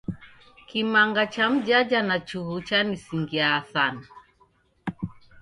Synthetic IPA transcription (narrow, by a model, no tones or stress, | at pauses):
kimaŋɡat͡ʃam̩ʄad͡ʒanat͡ʃuhut͡ʃanisiŋɡiaːθana